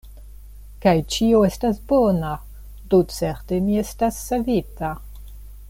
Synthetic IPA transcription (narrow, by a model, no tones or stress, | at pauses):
kajt͡ʃioestasbona | dot͡seɾtemiestasːavita